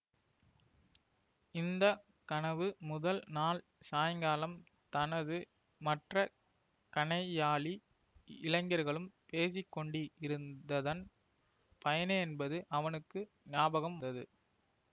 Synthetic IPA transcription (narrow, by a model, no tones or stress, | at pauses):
ɪnd̪ɐ | kɐnɐʋɯmʊðɐlnaːl | saːjɐŋɡaːlɐm | t̪ɐnɐðɯ | mɐʈrɐ | kɐɳɐɪaːɭi | ɪlɐɪŋɡɐɾɣɐɭɯmpeːsɪkːɔɳɖɪɪɾɯnd̪ɐðɐn | pɐjɐnɐɛnbɐðɯʔɐʋɐnɯkːɯ | nɪaːbɐɣɐmd̪ɐðɯ̰